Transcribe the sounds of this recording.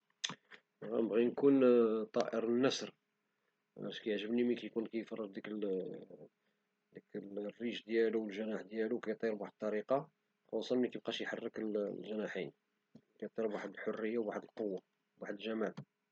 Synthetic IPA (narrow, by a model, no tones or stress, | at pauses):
ɣænbɣinkunt̪ˤɑʔəɾnːæsɾ | ʃkæjəʕʒəbnimikæjkunkæjfɑrˤːəd̪ˤd̪ik | d̪iklrːiʃd̪jæluwəlʒænaħd̪jæluwkæjt̪ˤːiɾbwaħəd̪̚t̪ˤːɑɾiqɑ | kæwɑsˤɑlmnikæb̚qɑʃjħarːəkəllʒənaħin | kæjt̪ˤːiɾbwaħəd̪əlħorːəjːawwaħəd̪əlqowːa | waħəd̪əlʒæmæl